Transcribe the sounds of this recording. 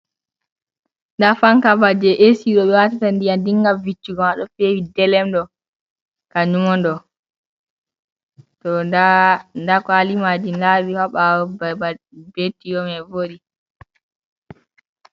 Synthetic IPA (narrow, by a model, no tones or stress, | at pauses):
ndafaŋkabad͡ʒɛʔesiɗɔɓɛwatatandiandiŋɡavit͡ʃːiɡɔmaɗɔfewidɛlɛmɗɔ | kaɲumɔndɔ | tɔ | ndakɔalimad͡ʒinlawihaɓawbba | betːijɔmɛvoɗi